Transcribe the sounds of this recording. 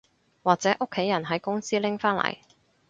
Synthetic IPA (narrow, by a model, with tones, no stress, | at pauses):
waː˨k̚t͡sɛː˨˦˥ʔʊ˥kʰːe˨˥jɐ˨˩nɦɐ˨˥jkʊ˥ŋsiː˥lɪ˥ŋfaː˥nlɐ̰˨˩j